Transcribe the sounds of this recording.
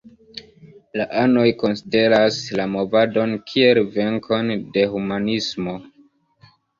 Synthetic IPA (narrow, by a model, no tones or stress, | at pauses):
laʔano̞jko̞nside̞ɾaslamo̞vado̞nkʰie̞lve̞ŋkʰo̞nde̞humanismo̞